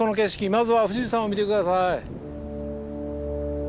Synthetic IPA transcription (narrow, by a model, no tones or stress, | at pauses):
o̞noke̞ɕi̥kʲimazɨβaɸɯ̟ɕiʑisãɰ̃o̞mʲit̪e̞kɯd̪asai